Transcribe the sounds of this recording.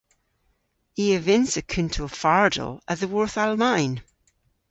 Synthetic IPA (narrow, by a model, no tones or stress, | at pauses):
iəvɪnsəkʰʉntʰofaɹdə̰lˠəðəwɔɹθalˠmaɪn